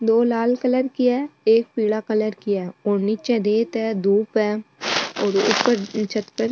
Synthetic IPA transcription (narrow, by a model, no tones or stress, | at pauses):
d̪oːlaːlkələɾkɪjaeːk̚piːɽakələɾkɪjaoːnit͡ʃɛ̃d̪eːt̪ɛːd̪uːpɛːɔːɾʊ̰pːəɾt͡ʃʰət̪pəɾ